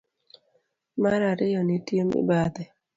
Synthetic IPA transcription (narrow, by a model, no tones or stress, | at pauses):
maɾaɾɪjɔnɪtjemɪ̰bad̪ɛ